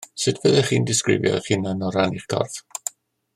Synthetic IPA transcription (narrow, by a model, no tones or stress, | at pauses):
sɨtʰv̥əðɛχiːndɪskrɪ̰vjɔ̰χinənɔɾaniχkʰɔ̰rθ